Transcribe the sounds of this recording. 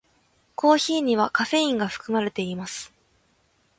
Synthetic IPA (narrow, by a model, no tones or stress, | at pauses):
kʰo̞ːçiːɲ̟iβ̞akaɸe̞ĩŋɡaɸɯ̟̥kɯ̟maɾe̞t̪e̞imasɨ̥